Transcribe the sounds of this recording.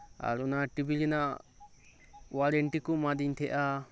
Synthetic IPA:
a̰ɾɔnaʈibilina | waɾɛɳʈikumad̪iɲt̪ʰɛʔa

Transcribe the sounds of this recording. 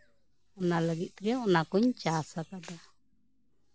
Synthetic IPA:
ɔnaləɡit̪ɾjaɔnakuɲt͡ʃasakad̪a

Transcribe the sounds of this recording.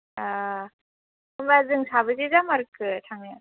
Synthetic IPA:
a | ɯmbazɯŋsabɯzizamaɾɯkɯtʰaŋa

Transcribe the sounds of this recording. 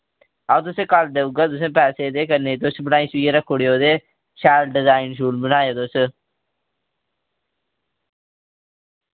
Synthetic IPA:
aːt̪̬ʊsẽːkald̪euɡaːt̪̬ʊs̬ẽːpɛːseːd̪eːkəɾneːt̪̬ʊsbənaːĩːsiːeɾəkʰːoːɽeoːd̪eː | ʃaːlɖɪzaːɪnʃuːlbənaːjoːt̪ʊs

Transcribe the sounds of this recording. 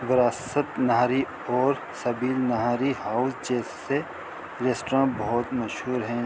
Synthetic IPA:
ʋɪɾaːsət̪nɐɦaɾi | ɔːɾ | sɐbiːlnɐɦaːɾihaːʊsd͡ʒɛːs | e | ɾeːsʈɾãːbɐɦʊt̪mɐʃɦuːɾɦɛ̃ː

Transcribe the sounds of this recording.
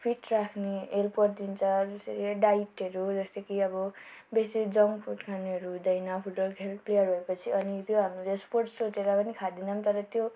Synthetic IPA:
pʰiʈrakʰneelpɡʌrd̪int͡sʰʌd͡zʌseɾiɖaiʈʌɾud͡zʌst̪ʌkiʌbʌbesid͡zʌŋpʰuʈkʰaniɦʌɾud̪ʌjnʌpʰuʈʌlkʰelplejʌrɦʌepʌt͡sʰiʔʌnit̪joɦamroesporʈsot͡seɾapʌnikʰad̪inʌmt̪ʌɾʌt̪jo

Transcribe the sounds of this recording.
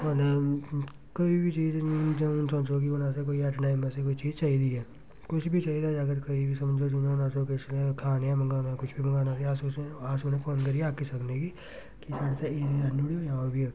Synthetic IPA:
ne | koːibʱit͡ʃiːd͡ʒd͡ʒsɔ̃ːt͡ʃokionaːsek̬oːiɛːʈnaːɪmãsekoːit͡ʃiːzt͡ʃaːid̪iɦɛː | kʊt͡ʃʰbʱit͡ʃaːiːd̪aːəɡəɾkoibʱisəmd͡ʒoːd͡ʒinõnaːsoket͡ʃlekʰaːneɛ̃ːməŋɡaːnakʊt͡ʃʰbʱiməŋɡaːnaːseasoeaːsonẽfoːnkəɾieaːkisəknekiː | kisaːɽt̪eeənuːɽiojãːobʱi

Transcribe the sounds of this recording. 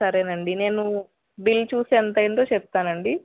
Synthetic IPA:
sɐɾeːnɐɳɖine̞ːnu | bilːt͡ʃuːseːnt̪̬ɐjɐnd̪oːt͡ʃɛp̚t̪aːnɐɳɖi

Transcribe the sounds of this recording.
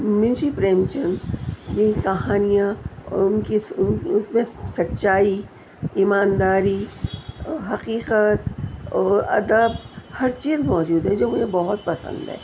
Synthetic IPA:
mɪ̃nʃipɾeːmt͡ʃənjeĩkɐɦaːnijãɔ̰ʊnkiʊsmẽsɐtːʃaːi | imaːnd̪aːɾi | ɦɐqiːqət̪ɔːɾɐ̰d̪əbhɐɾt͡ʃiːzmɔːd͡ʒuːd̪ɦɛ̃d͡ʒoːmʊd͡ʒẽbɔɦʊt̪̚pɐsə̰̃nd̪ɦɛ̰ː

